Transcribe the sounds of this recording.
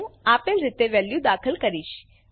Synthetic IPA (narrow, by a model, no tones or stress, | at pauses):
aːpelɾɪt̪eʋɛːljũd̪aːkʰəlkəɾiʃ